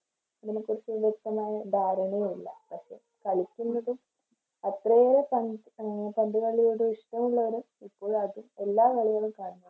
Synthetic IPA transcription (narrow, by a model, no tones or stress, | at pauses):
ɐðɐnekurit͡ɕːɨʋjek̚t̪ɐmaːjɐd̪ʱaːɾɐɳeilːɐ̰pɐkʂe̞̰ː | kɐɭikʲːunːɐðɨ | ɐt̪rɐoɭpɐn | pɐnd̪uɣɐɭːijoɽuiʂʈɐmuɭːɐʋɐɾumipːo̞ːɭɐðue̞lːaːʋɐɭiɣɐɭumkaːɳɐnɐ